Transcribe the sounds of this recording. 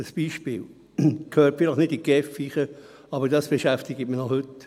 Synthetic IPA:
əsb̥iːʃpɪ̰ːl | kʰhøːɾtfɪləχnɪdiɡ̥ɛfːiːχə | ɑbədɑsb̥eʃæft̪ɪɡətmənɔhɵt

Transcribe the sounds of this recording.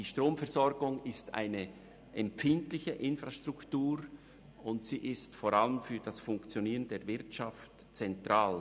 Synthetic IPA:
iːʃtʁoːmfɛɐzɔɾɡʊŋɪsta̰ɪnə | ʔɛmpfɪntlɪçəʔɪnfʁaʃtʁ̥ʊktuːɾ | ʊntsiːʔɪstfoɾaləmfyːd̥asfʊŋkt͡sjoniːʁəndeːɐvɪɐtʃaft | t͡sɛntʁ̥aːl

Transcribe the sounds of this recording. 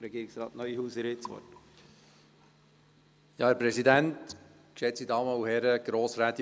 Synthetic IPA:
ɾɛɡiːɾɪksɾɑːt̪nœʏihuːsɪɾɪt͡sʋɔ̰t | jɑːæɾpɾɛsidænt | kʃɛt͡sid̪ɑːməuhɛɾəɡ̥ɾoːsɾæt̪i

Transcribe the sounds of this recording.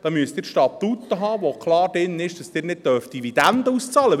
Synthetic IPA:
d̥ɑːmyəst̪ɪːɾʃtɑptut̪ːəɦɑːʋokʰlɑːɾdɪnːɪʃd̥ɑsd̥ɪːɾnɪd̚tœɾftd̥ivid̪ænd̪əust͡sɑːlə

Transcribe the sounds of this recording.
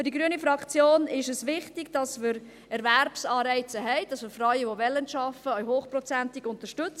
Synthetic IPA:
fədiɡɾyənifɾɑkt͡sjoːnɪʃəsʋɪχtɪɡd̥ɑsməɾ | ɛɾʋæɾpsɑːɾɛɪt͡səɦɛɪd̥ɑsmɪɾfrɑɥəʋoʋɛlːənʃɑfəœɥɦoːχprɔt͡sæntɪɡʊntəʃtʏt͡s

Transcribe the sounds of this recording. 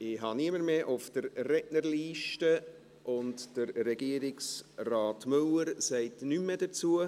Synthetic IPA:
ɪɦɑniəməɾmeːʔʊfd̥əɾːɛtnəɾliːʃtə | ʔʊntd̥əɾːɛɡ̥iəɾɪksrɑːtmøləɾsɛɪtnymːɛdət͡suə

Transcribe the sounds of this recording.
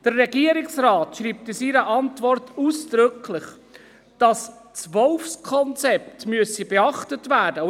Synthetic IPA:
d̥ərːɛɡ̥iəɾɪksɾɑːtʃɾiːp̚tɪsiɾəʔɑntʋɔrtuːsd̥ɾʏkʰlɪχ | d̥ɑst͡sʋɔlfskʰɔnt͡sɛp̚tmyəsibɛɑχtətvæːd̥ə

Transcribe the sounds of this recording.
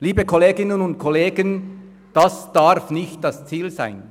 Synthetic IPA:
liːbəkʰɔleːɡɪnənʊnt̚kʰɔleːɡən | d̥asd̥aɾfnɪçt̚d̥ɑst͡siːlza̰ɪn

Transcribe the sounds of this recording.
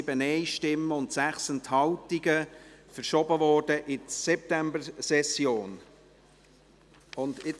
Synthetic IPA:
bənɛɪʃtɪmːəʊnt̪sæχsɛnthɑltiɡəfəɾʃɔbəvɔːrd̥əʔɪsɛp̚t̪æmbəɾsɛsjoːn | ʊnd̪ɪ

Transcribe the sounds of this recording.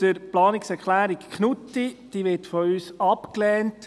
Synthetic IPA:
əɾplɑːnɪksɛɾkχlæːɾikknutːid̪̥iːʋɪtfɔyːsɑpklɛːnt

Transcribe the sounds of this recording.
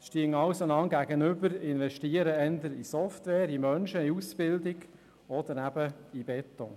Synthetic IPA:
ʃtiəŋɑwsonɑŋɡæɡənʏbəɾɪnʋɛʃtiəɾəɛnd̪əɾisɔftʋɛːɾimœnʃəiusbɪldɪɡ | ɔd̪əɾæbəibɛt̪ːɔ̰

